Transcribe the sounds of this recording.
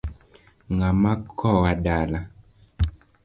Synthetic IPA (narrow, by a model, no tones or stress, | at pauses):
ŋɡamakʰɔwaɗala